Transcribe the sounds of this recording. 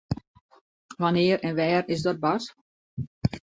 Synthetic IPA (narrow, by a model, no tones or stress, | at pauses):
ʋanɪəɾɛnʋɛːrɪsdɔt̚bas